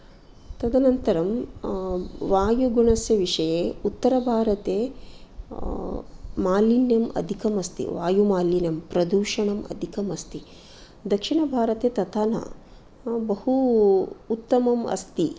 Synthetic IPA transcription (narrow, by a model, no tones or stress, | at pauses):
t̪ɐd̪ʱɐnɐnt̪ɐɾɐm | ʋaːjuɡuɳɐsjɐʋiʂɐjeːut̪ːɐɾɐbʱaːɾɐt̪eː | maːlinjɐmɐ̰d̪ʱikɐmɐst̪ḭʋaːjumaːlinɐmpɾɐd̪uːʂɐɳɐmɐ̰d̪ʱikɐmɐst̪i | d̪ɐkʂiɳɐbʱaːɾɐt̪eːt̪ɐt̪aːnɐ̰ | bɐhuː | t̪ːɐmɐmɐ̰st̪i